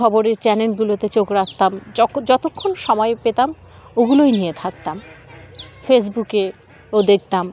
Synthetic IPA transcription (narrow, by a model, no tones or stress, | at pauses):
ɔboɾeɾt͡ɕɛnelɡulot̪et͡ɕokɾakʰt̪amd͡ʑɔt̪okʰːonʃɔmɔepet̪am | oɡulojnijet̪ʰak̚t̪am | fes̬buke | od̪ek̚ʰt̪am